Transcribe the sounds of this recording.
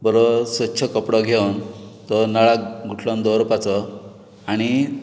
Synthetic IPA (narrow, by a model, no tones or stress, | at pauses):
bəɾosʋət̪ːɕʰəkəpɽɔɡʱewnt̪ɔnaɭaɡʱuʈʰlɔnd̪ɔɾupat͡sɔ | aɽ̃i